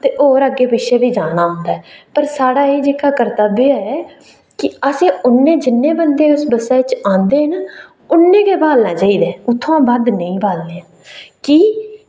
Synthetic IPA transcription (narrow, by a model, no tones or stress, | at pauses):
t̪eːʔoːɾəɡeːbɪʃeːbiːd͡ʒaːnaːɦʊ̃nd̪aːɛpəɾsaːɽaːeːd͡ʒeːkʰaːkəɾt̪aːbeːaɛː | kɪəsẽːʊnːẽːd͡ʒɪnːẽːbənd̪eːʊsbəsaːɪt͡ʃãːnd̪eːɦən | ʊnːẽːkeːbaːlnãːt͡ʃaːiːd̪ẽːʊt̪ʰːõãːbad̪nəĩːbʱaːlleːãː | kiː